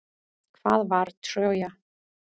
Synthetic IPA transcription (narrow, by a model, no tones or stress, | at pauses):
kʰvaːðvaɾt̪r̥oːwja